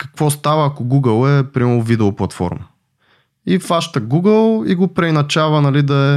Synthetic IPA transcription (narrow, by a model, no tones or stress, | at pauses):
kɐ̥kvɔst̪avəːkʊɡuɡəlˠɛpɾimɛlˠʊvid̪ɛoplˠɐt̪fɔ̰ɾmə | ifaʃt̪əɡuɡəlˠiɡopɾɛjnɐt͡ʃavənɐlid̪ɐɛ